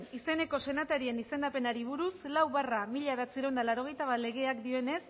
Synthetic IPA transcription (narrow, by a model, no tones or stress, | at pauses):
nise̞ne̞ko̞se̞nat̪eɾie̞nise̞nd̪ape̞naɾiβ̞uɾuslawβaramiʎaβeat͡siɾond̪alaɾoɣ̞e̞jt̪aβale̞ɣ̞e̞akd̪ioe̞ne̞s